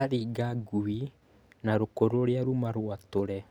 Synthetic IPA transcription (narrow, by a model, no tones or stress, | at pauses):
aɾiːɡaɡuwi | naɾokoɾoɾeaɾumaɾwatoɾɛ